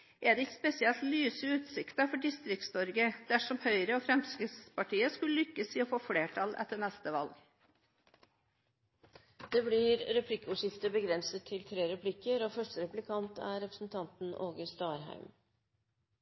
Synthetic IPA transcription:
ʔɛɖɛɪkspɛsɪɛlt̪lyːsəʉːt̪sɪkt̪əfɔɖɪst̪ɾɪk̚t̪st̪ɔɾɡəd̪æʂɔmhœʏɾəɔfɾɛmskɾɪspɑʈiːəskʉləlʏkːəsɪɔfoːfleːʈʰɑlʔɛ̰t̪ːəɳɛst̪əʋɑlɡ | d̪̥eːblɪɾɾɛpʰlɪkːʉːʂɪft̪əbəɡɾɛnsət̪ʰːɪlt̪ʰɾeːɾɛpʰlɪkːəɾoːfœʂʈəɾɛplɪkʰɑnt̪æ̰ɾɛpɾəsn̩t̪ʰɑnt̪n̩ʔo̰ːɡəst̪ɑːɾɦæ̰ɪm

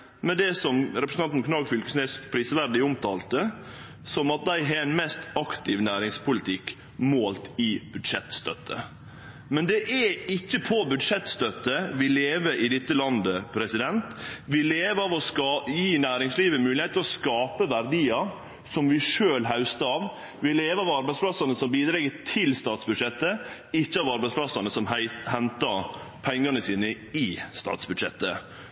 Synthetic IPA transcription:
mɛd̪ɛsɔmɾɛpɾəsɑnmkʰnɑːɡfʏlkəsneːspʰɾiːsəʋæɾɖ̪ɪʊmt̪ʰɑ̰ːlt̪ə | sɔmɑt̪̚d̪æɪɦɛɾɛnmɛst̪ɑkt̪ʰɪʋnæːɾɪŋspʰʊlɪt̪ʰɪkː | moːlt̪ɪb̥ʉd̪ʂɛt̪st̪œt̪ʰːə̰ | mɛnd̪ɛʔɛɪçːəpʰɔbʉd̪ʂɛt̪st̪œt̪ːəʋɪleːʋəɾʔɪd̪ɪt̪ːəlɑnd̪əpʰɾɛsɪd̪ɛnt̪ʋɪleːʋəɑʋɔskɑːjiːnæːɾɪŋsliːʋəmʉːlɪeːt̪ʰːɪlɔskɑːpəʋæɾd̪iːɑ | sɔmʋɪʂøːlɦaʉst̪əɑʋ | ʋɪleːʋəɑʋɑɾbæɪsplɑsɑnəsɔmbiːd̪ɾɛɡət̪ʰɪlst̪ɑːt̪sbʉd̪ʂɛt̪ːə | ɪçːəɑʋɑɾbæɪspʰlɑsɑnəsɔmhɛnt̪ɑɾ | pʰɛŋːɑnəsiːnə | ɪst̪ɑ̰ːt̪sbʉd̪ʂɛ̰t̪ːə̰

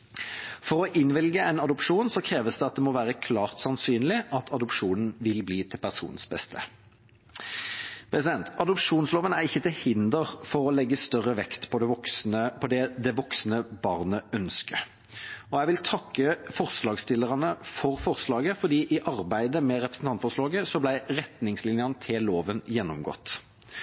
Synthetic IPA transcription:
fɔʁɔʔɪnʋɪlɡəɛɪnɑd̪ʊpʂuːnsɔkʰʁeːʋəsd̪ɛɑt̪̚d̪ɛmɔʋæːʁəkʰlɑːʁt̪sɑnsyːnlɪɑt̪ʰɑd̪ʊpʂuːnn̩ʋɪlbliːt̪ʰɪlpʰæʁsṵːnn̩sbɛst̪ʰə | pʰɾʁɛsɪd̪ɛnt̪ɑd̪ʊpʂuːnsloːʋənæʁɪçːət̪ʰɪlhɪnd̪əʁfɔʁɔlɛɡːəst̪œʁəʋɛkt̪pʰɔɔk̪əpʰɔd̪ɛd̪ɛʋɔksnəbɑʁnəœnskʰə | ɔæɪʋɪlt̪ʰɑkːəfɔʁslɑːɡst̪ɪlːəʁɑnəfɔʁfɔʁslɑːɡəfɔʁd̪iːʔɪʔɑʁbæɪd̪əmɛɾɛpʁəsn̩t̪ɑnt̪fɔʁʂlɑːɡəsɔblæɪʁɛt̪nɪŋslɪnjənət̪ʰɪloːʋənjɛnːɔmɡɔ̰t̪ː

